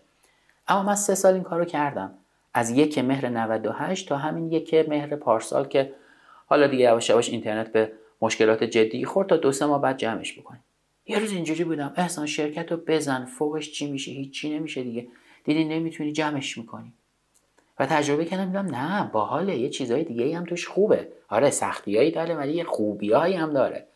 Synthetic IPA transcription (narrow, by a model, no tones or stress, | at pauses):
ʔæmːɒːmænse̞sɒːliːŋkʰɒːɾocʰæɾd̪æm | ʔæzje̞cʰeme̞ɦɾenævæd̪ohæʃt̪t̪ʰɒːɦæminje̞cʰeme̞hɾepʰɒːɾsɒ̰lcʰe̞ | hɒːlɒːd̪iɟeæbɒʃæbɒʃḭnt̪ʰe̞ɾnet̪̚be | moʃke̞lɒːt̪ʰe̞d͡ʒe̞d̪ːiːxo̞ɾd̪t̪̚t̪ʰɒːd̪osemɒːhbæːd̪̚d͡ʒæme̞ʃbokʰoni | jeɾuːzind͡ʒuːɾiːbuːd̪æme̞hsɒːnʃe̞ɾcʰæt̪ʰobe̞zænfoɣe̞ʃt͡ʃʰimiːʃehiːt͡ʃʰːt͡ʃʰːine̞miːʃed̪iɟʲe | d̪̥iːd̪inːe̞miːt̪ʰuniːd͡ʒæme̞ʃmikʰo̞ni | væt̪ʰæd͡ʒɾo̞be̞cʰæɾd̪æmiɡ̪æmnæbɒːhɒːlejet͡ʃʰiːzɒːjed̪iɟeiːæmt̪ʰuːʃxuːbeɒːɾesæ̰xt̪ʰijɒːiːd̪ɒːɾevælijexuːbiɒːihæmd̪ɒːɾḛ